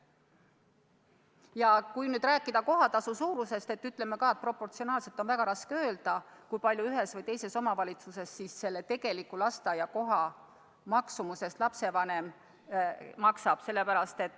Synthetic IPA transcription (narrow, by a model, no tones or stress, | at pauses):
jɑkujnyːd̪ɾæːkːˑid̪̥ɑko̞ɦɑt̪ɑsusuːɾuse̞st̪e̞t̪ːyt̪ːˑle̞mːekɑet̪̚pro̞pːˑo̞rt̪sio̞nɑːlse̞lt̪ːo̞nvæɡ̥ɑɾɑskeø̞ːld̪ɑkujpɑlʲjuyɦe̞svɤjt̪e̞jse̞so̞mɑvɑlʲit̪suse̞sːisːe̞lːe̞t̪e̞ɡ̥e̞likːulɑst̪ɑjɑko̞ɦɑ | mɑksumuse̞st̪lɑpse̞vɑne̞m | mɑksɑb̥se̞lːepæɾɑst̪e̞t̪ːˑ